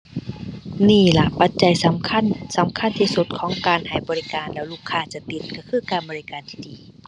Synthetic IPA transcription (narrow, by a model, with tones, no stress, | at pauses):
niː˧˩la˧˩pa˧t̪̚t͡ɕa˨jsa˨˦mkʰa˧˥˨nsa˨˦mkʰa˧˥˨nt̪ʰiː˧˨su˧˦t̪̚kʰɔː˨˦ŋkaː˨nha˨˩jbɔː˨li˧kaː˨nlɛː˧˨wluː˧˩kʰːaː˧˩t͡ɕa˧t̪i˧˩t̪̚ka˧˩kʰɯː˧˩˨kaː˨˧nbɔː˨˧li˧kaː˨nt̪ʰiː˧˩diː˨